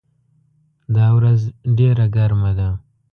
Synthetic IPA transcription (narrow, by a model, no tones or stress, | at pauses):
d̪ɑwɾazɖeɾaɡaɾmad̪a